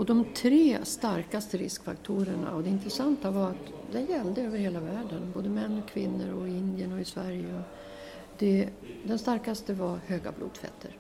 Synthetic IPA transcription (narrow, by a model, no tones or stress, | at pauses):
ɔd̪ɔmt̪ʰɾeːst̪aɾkast̪əɾɪskfa̰kt̪ʰuːɾəɳa̰ɔd̪ɛɪnt̪ɾɛsant̪avaɾat̪ | d̪ɛjɛld̪əøːvəɾheːlavæːɖənboːd̪əmɛnːɔkʰvɪnːə̰ɾɔɪɪnd̪ɪjənɔɪsvæɾjəɔ | d̪ɛ | d̪ɛnst̪aɾkast̪əvaɾhøːɡa̰blṵːd̪fɛ̰t̪ʰːəɾ